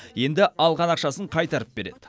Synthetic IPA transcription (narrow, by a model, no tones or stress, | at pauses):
je̞nd̪ɪɑlˠʁɑnɑqʃɑsəɴqʰɑjt̪ɑɾəp̚be̞ɾe̞̰d̪ɪ